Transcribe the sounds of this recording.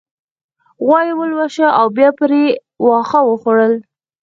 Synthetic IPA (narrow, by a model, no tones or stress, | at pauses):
ɣwɑjiwəlwaʃaʔawbjɑpəɾe | wɑxawəxoɽəl